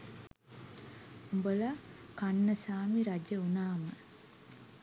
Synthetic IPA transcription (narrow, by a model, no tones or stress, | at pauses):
umbolakanːəsaːmiɾad͡ʒəunaːmə